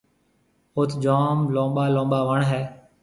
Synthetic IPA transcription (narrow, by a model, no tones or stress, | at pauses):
ʊt̪ʰd͡ʒoːmlõːɓaːlõːɓaːʋəɳɦɛː